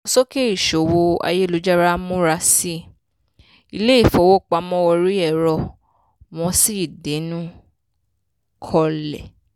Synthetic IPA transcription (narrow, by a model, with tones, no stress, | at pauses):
ɔ̃˧sɔ˦ke˦i˦˨ʃo˨wo˧a̰˧je˦˨lo˨˦d͡ʒa˦ɾa˦mũ˦ɾa˧si˦ | i˧le˦i˦˨fɔ˧˦wo˦˨k͡pa˧mɔ̃˦ɔ˧ɾi˦ɛ˦˨ɾɔ˧ | w̃ɔ̃˧˦si˦˨de˨˦nũ˦ | kʰɔ˧lɛ̰˨